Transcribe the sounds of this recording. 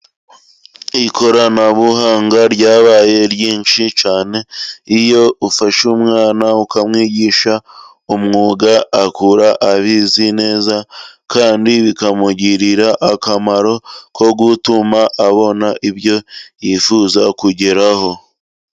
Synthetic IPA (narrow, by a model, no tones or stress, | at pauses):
iko̞ɾanaβuhaːŋɡaɾɟaːβaːje̞ɾjiːnʃit͡ʃaːne̞ijo̞ufaʃumŋaːnaukamŋiːɟiʃa | umŋuːɡaakuɾaʔːβizine̞ːzakaːndiβikamuɟiɾiɾaʔakamaɾo̞kʰo̞ɡutumaʔːβo̞naʔiβjo̞jifuːzakuɟe̞ɾaho̞